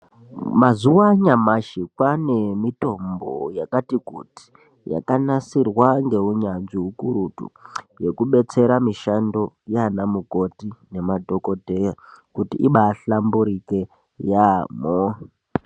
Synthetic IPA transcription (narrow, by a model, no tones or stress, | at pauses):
mazuwaɲamaʃikwanemito̞mbo̰jakatikuti̥ | ja̰kanasirwaŋɡe̞uɲanʐiɦukuɾutṵje̞kuɓe̞t͡se̞ɾamiʃando̞ | janamuko̞tine̞madʱo̞kodʱejakutiiɓaːɬambuɾike | jamo